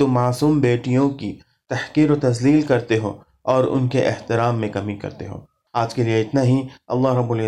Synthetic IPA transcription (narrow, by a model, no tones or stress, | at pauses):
t̪oːaːsuːmbeːʈijõki | t̪ɐhkiːɾot̪ɐzliːlkɐɾt̪eɦo̰ː | ɔːɾʊ̰nkeʔɪ̰ht̪ɪɾaːmːẽkɐmikɐ̰ɾt̪ḛɦo̰ː | aːd͡ʒkelieɪt̪naɦiɐ̰lːaːɦɾɐbːʊlɪ